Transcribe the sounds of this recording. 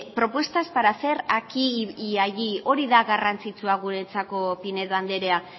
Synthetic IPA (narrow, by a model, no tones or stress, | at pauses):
pɾo̞pwe̞st̪aspaɾase̞ɾakiiaʝio̞ɾiðaɣarant͡sit͡suaɣuɾe̞t͡sako̞pine̞ðβand̪e̞ɾea